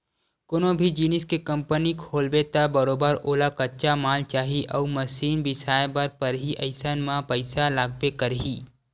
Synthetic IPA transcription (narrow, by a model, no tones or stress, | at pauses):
konõbʱid͡ʒiːnɪskekə̃mpənikʰoːlbet̪abəɾoːbəɾoːlakɐtːt͡ʃamaːlt͡ʃaːɦiʔɐuməsiːnbɪsaːjebəɾpəɾɦiʔɐɪsənmãpəɪsalaːɡ̚pekəɾɦiː